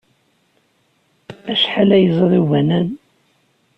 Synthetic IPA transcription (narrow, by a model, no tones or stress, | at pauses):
æʃħalæjəzˤɾˤiwænæn